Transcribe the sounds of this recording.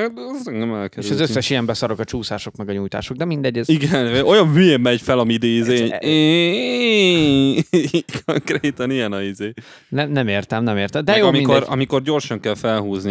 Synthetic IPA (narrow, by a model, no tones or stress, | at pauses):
at̪ɛzɛŋɡɛmɛlkɛeʃɒzøsːɛʃijɛmbɛsɒɾokɒt͡ʃuːsaːʃo̞kmɛɡɒɲujt̪a̰ːʃo̞ɡ̚d̪ɛmind̪ɛɟːɛziɡɛno̞jɒɱmyeːɛɟfɛlɒmid̪eːizeːe | kʰoŋkreːt̪ɒnijɛnɒizeː | nɛmnɛmeːrt̪ɛmnɛmeːrt̪ɛmd̪ɛjoɒminkdɛɾɒ̰miko̞rɟo̞rʃɒŋkɛlfɛlɦuːzni